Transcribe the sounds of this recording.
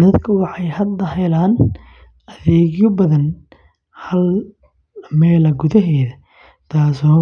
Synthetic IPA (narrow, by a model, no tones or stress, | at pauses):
ðɐd̪kʰɐʊɣɐħɑjhɐd̪ːɐɦɛjlaːn | ɐðɛːɣjɔbɐðɐn | hɐl | mɛːlɐɡʊðɐɦɛːðɐ | t̪ʰaːsɔː